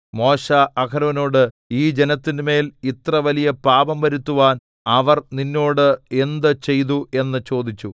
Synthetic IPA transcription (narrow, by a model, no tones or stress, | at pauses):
mo̞ːɕaʔɐkʰɐɾɐʋɐnoːɽɨ | iːd͡ʑe̞nɐt̪ːinɨme̞ːlit̪rɐʋɐlijɐpaːbɐmʋɐɾut̪ːuʋaːn | ɐʋɐrninːoːɽɨe̞nd̪ɨt͡ɕe̞jt̪̬ue̞nːɨt͡ɕo̞ːd̪it͡ɕːu